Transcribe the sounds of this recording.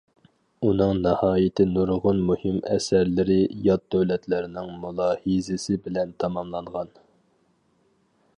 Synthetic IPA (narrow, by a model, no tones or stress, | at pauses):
unɨŋnɨhɑːjɪt̪ʰɪnuɾʁʊnmuhɪmɛ̰sæɾlɪɾɪjɑt̪̚d̪øwlɛt̪ʰlɪɾnɪŋmulˠɑhizɪsɪbɪlɛnt̪ʰɑmɑmlˠɑɴʁɑn